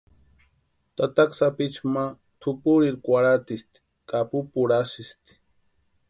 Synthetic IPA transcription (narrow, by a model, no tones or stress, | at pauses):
t̪at̪aksapit͡ʃma | t̪ʰupuɾiɾkʷaɾat̪ist̪i̥ | kʼapupuɾasist̪i̥